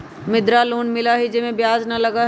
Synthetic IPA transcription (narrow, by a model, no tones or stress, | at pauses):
mɪd̪ɾaːluːnmɪlaɦid͡ʒemẽbjaːznɐlɐɡa